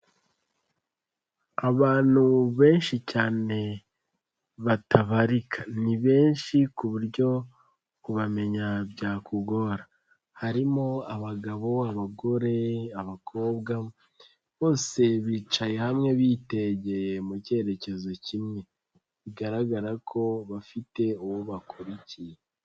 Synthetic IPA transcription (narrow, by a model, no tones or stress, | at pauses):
aβaːn̥huβe̞ːnʃicaːne̞ | βatʰaβaɾikʰaniβe̞ːnʃikuβuɾɟjo̞ | kuβame̞ɲabjaːkʰuɡo̞ɾa | haɾimo̞aβaɡaβo̞aβaɡo̞ɾe̞aβakʰo̞ːbɡa | βo̞ːse̞βiːt͡ʃaje̞hamŋe̞βiːte̞ɟe̞jmuce̞ːɾe̞ce̞zo̞cimŋe̞ | βiɡaɾaɡaɾakʰo̞βafite̞uwoβakuɾicije